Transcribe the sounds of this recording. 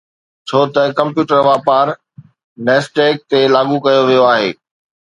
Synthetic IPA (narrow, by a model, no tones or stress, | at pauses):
t͡ɕʰoːt̪ɐkɐ̃mpjuːʈəɾʋaːpaːɾ | nɛːsʈeːk̚t̪elaːɠũkɐjoʋijoaːɦeː